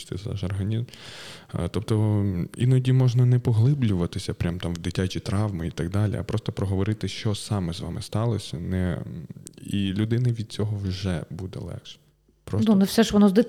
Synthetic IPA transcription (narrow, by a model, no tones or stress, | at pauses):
t̪ɪzɑ̰ʒɔrɦɐnʲizm | t̪ɔpt̪ɔḭnɔdʲimɔʒnɐnɛpɔɦlˠɪblʲʊʋɐt̪ɪsʲɐpɾʲamt̪ɑmwd̪ɪtʲat͡ʃʲit̪ɾɑʋmɪit̪ɐɡ̚d̪ɑlʲḭɐ̰pɾɔst̪ɔpɾɔɦɔʋɔɾɪt̪ɪʃt͡ʃɔsɑmɪzʋɑ̰mɪst̪ɑlˠɔsʲɐnɛ | ilʲud̪ɪnɪʋʲid̪̥̚t͡sʲɔɦɔwʒɛ̰bud̪ɛ̰lˠɛ̰kʃ | pɾɔsnunɛfsɛʃʋɔnɔzd̪ɪ